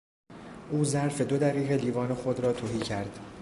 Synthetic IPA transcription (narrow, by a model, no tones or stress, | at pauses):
ʔuːzæɾfe̞d̪od̪æɾiːʁe̞liːvɒːnexod̪ɾɒːt̪ʰoɦiːcʰæɾd̪̥